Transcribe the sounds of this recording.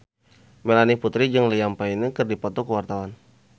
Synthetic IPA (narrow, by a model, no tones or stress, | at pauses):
mɛlaniput̪ɾid͡ʒəŋlijampainəkɨrdipɔt̪ɔkəwart̪awan